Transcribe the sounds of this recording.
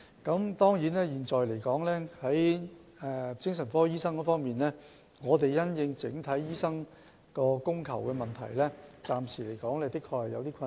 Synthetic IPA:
kɐ˨˥mt̪ɔː˥ŋjiː˨˥nlɛː˥jiː˨˩nt͡sɔː˨jle˨˩jkɔː˨˥ŋlɛː˥hɐ˨˥j | ɛ˨˩t͡sɪ˥ŋsɐ˨˩nfɔː˥jiː˥sɐ˥ŋkɔː˧˥fɔː˥ŋmiː˨nlɛː˥ | ŋɔː˨˧t̪e˨jjɐ˥njɪ˧ŋt͡sɪ˨˥ŋt̪ʰɐ˨˥jjiː˥sɐ˥ŋ | kɔː˧kʊ˥ŋkʰɐ̰˨˩wkɛː˧mɐ˨nt̪ʰɐ̰˨˩jlɛː˥t͡saː˨msiː˨˩le˨˩jkɔː˨˥ŋlɛː˥t̪ɪ˥kʰːɔː˧k̚hɐ˨jɐ̰˨˧wt̪iː˥kʰɐ˧

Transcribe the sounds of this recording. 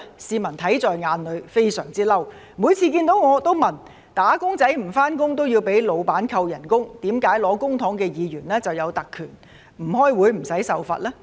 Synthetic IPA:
siː˧mɐ˨˩nt̪ʰɐ˨˥jt͡sɔː˨jŋaː˨˧nlɵ˨˧ɥfe˥jsœː˨˩ŋt͡siː˥lɐ˥w | muː˨˧jt͡sʰiː˧kiː˧nt̪o˨˥wŋɔː˨˧t̪o˥wmɐ˨˩n | t̪aː˨˥kʊ˥ŋt͡sɐ˨˥jm̩˨˩faː˥nkʊ˥ŋt̪̬o˥wjiː˧wpe˨˥jlo˨˧wpaː˨˥nkʰɐ˧wjɐ˨˩nkʊ˥ŋt̪iː˨˥mkaː˨˥jlɔː˨˧˥kʊ˥ŋt̪ʰɔ˨˥ŋkɛː˧jiː˨˧jyː˨˩nlɛː˥t͡sɐ˨wjɐ˨˧wt̪ɐ˨kʰːyː˨˩n | m̩˨˩hɔː˥jwuː˨˧jm̩˨˩sɐ˨˥jsɐ˨wfɐ̰ː˨t̚lɛː˥

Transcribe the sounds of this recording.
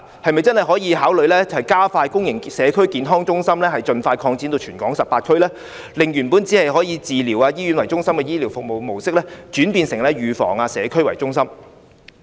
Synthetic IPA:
hɐ˨jmɐ˨jt͡sɐ˥nhɐ˨jɦɔː˨˥jiː˨˧ɦaː˨˥wlɵ˨˧ɥlɛː˥t͡sɐ˨hɐ˨˩jkaː˥faː˧jkʊ˥ŋjɪ˨˩ŋsɛː˨˧kʰɵ˥ɥkiː˨˧nɦɔː˥ŋt͡sʊ˥ŋsɐ˥mlɛː˥hɐ˨jt͡ʃɵ˨nfaː˧jkʰɔː˧ŋt͡siː˨˥nt̪o˧t͡ʃʰyː˨˩nkɔː˨˥ŋsɐ˨pːaː˧t̚kʰɵ˥ɥlɛː˥ | lɪ˨˩ŋjyː˨˩npuː˨˥nt͡siː˨˥hɐ˨jɦɔː˨˥ji˨˧t͡siː˨liː˨˩waː˧jiː˥ɥy˨˥nwɐ˨˩jt͡sʊ˥ŋsɐ˥mkɛː˧jiː˥li˨˩wfʊ˨k̚mo˨wmo˨˩wsɪ˥k̚lɛː˥t͡ʃyː˨˥npiː˧nsɪ˨˩ŋlɛː˥jyː˨˧fɔ̰ː˨˩ŋaː˧sɛː˨˧kʰɵ˥ɥwɐ˨˩jt͡sʊ˥ŋsɐ˥m

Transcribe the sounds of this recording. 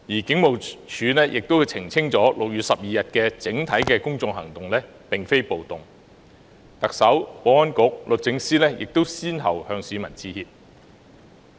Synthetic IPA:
jiː˨˩kɪ˨˥ŋmo˨wt͡ʃʰyː˨˧nɛː˥jʔɪ˨k̚t̪o˥wt͡sʰɪ˨˩ŋt͡sʰɪ˥ŋt͡sɔː˨˥lʊ˨k̚jyː˨t̚sɐ˨p̚jiː˨jɐ˨t̚kɛː˧t͡sɪ˨˥ŋt̪ʰɐ˨˥jkɛː˧kʊ˥ŋt͡sʊ˧ŋhɐ˨˩ŋt̪ʊ˨ŋlɛː˥ | pɪ˨ŋfe˥jpo˨wt̪ʊ˨˩ŋ | t̪ɐ˨k̚sɐ˨˥wpoː˨˧wɐ˥nkʊ˨˥k̚lɵ˨t̚t͡sɪ˨˥ŋsiː˥lɛː˥jʔɪ̰˨k̚t̪o˥wsiː˥nɦɐ˨whœː˧ŋsiː˨˧mɐ˨˩nt͡siː˨˧hiː˧p̚

